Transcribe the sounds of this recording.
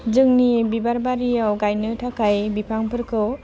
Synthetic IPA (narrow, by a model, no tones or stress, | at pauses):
d͡ʒɯŋnibibaɾbaɾijawɡajnɯtʰakajbipʰaŋpʰɯɾkʰɯw